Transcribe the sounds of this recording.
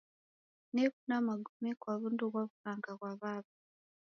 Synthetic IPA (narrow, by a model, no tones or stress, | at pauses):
neβunamaɡumikwaβunduβwaβukaːŋɡaβwaβaβa